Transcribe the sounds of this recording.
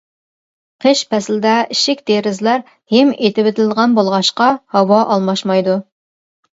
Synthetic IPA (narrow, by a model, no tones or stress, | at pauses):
qʰəʃpʰɛslɪd̪ɛiʃɪkʲd̪eɾɪzlæɾ | hɛmet̪ʰɪbɪt̪ʰɪlʁɑnbolˠʁɑʃqɑhɑwɑʔɑlˠmɑʃmɑjd̪u